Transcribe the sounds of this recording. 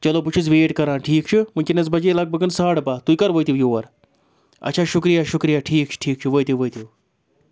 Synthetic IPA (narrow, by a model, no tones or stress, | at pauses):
t͡ʃɐlop̬ut͡ʃʰit͡sʋeːʈkɐɾãːnʈʰiːk̚t͡ʃʰɨmənkenɐt͡sbɐd͡ʒeːlɐɡ̚bɐɡənsaːɽpaːt̪ujkɐɾʋojt̪iwjoːʋɐɾ | ɐ̰tːt͡ʃʰaːʃukɾijaʃukɾijaʈʰiːk̚t͡ʃʰɨ̥ʈʰiːk̚t͡ʃʰɨʋoːjt̪iʋoːjt̪iw